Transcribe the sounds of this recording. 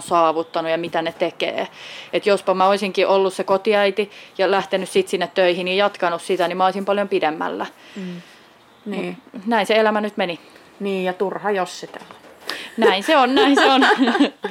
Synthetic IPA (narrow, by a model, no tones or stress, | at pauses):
nsɑːʋut̪ːɑnujɑmit̪ænet̪ekḛːet̪jospɑmɑoisiŋkiʔolːussekot̪iæit̪ijɑlæht̪enyssit̪sinːet̪t̪øihinijɑt̪kɑnussit̪ænimæɑolisimpɑljompidemːæ̰lːæ | nunæinseelæmænyt̪meni | niːjjɑt̪urhɑjossit̪ælo̥næinseonnæinseon